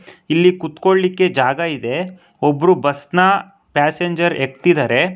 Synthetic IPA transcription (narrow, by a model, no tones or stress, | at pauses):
ilːikut̪ko̞ɭlikːe̞d͡ʒaːɡɐid̪e̞ | obːɐɾubɐsnɐ | paːseɲd͡ʒɐɾek̚t̪id̪aːɾe̞